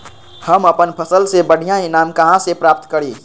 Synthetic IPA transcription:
həməpənpʰəsəlsebəɽ̤ijãinamkəɦãsepɾap̚t̪kəɾi

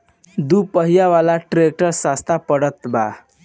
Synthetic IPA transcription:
d̪upəɦijaʋalaʈɾek̚ʈəɾsast̪ʰapəɽət̪ba̰

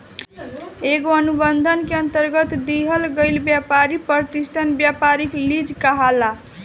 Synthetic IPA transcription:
eɡoənubənd̪ʱənkeənt̪əɾɡət̪d̪iɦəlɡəɪlbjapaɾipəɾt̪isʈʰanbjapaɾiklid͡ʒkaɦala

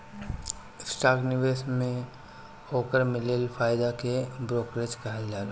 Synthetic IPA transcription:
sʈaːɡnɪʋeːsmẽ | oːkəɾmɪleːlfʰaːɪd̪akebɾoːkɾet͡ʃkɐɦəld͡ʒaːɾ

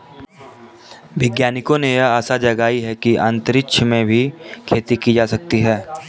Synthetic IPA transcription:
ʋɪɡjaːnɪkõnejɐaːsad͡ʒɐɡaːiɦɛkiʔə̃nt̪əɾɪkʃʰəmẽbʱikʰeːt̪ikid͡ʒaːsɐk̚t̪iɦɛː

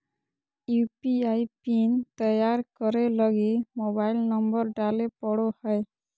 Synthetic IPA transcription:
jupiajpint̪ɔjaɾkɔɾelɔɡimobajlnɔmbɔɾɖalepɔɽohɔj

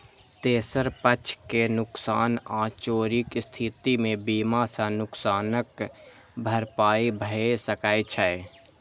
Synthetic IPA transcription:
t̪eːsəɾpət͡ʃʰkenʊksaːnãːt͡ʃoːɾɪkst̪ʰiːt̪imẽbiːmasãnʊksaːnək | bʱəɾpaːibʱəesəkaːet͡ʃʰae

